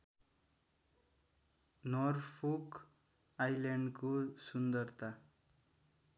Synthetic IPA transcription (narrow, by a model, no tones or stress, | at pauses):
nʌrpʰok | ajlaɳɖkosund̪ʌrt̪a